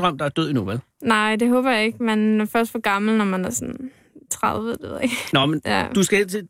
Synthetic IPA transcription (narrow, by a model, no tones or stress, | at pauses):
ʁɑm̰d̥ɑ̈æɐd̥øð̰ˠinuʋæl | nɑ̈ɪ̰d̥e̝ɦɔ̽ːb̥ɐjɑ̈e̝ɡ̥menfɶɐsd̥fɒ̽ɡ̥ɑ̈ml̩nɒmænæɐsɔ̽n | t͡sʰʁɑðˠʋəd̥eʋeðˠeɡ̥nɒmenjæ̰d̥usɡ̥æet͡sʰe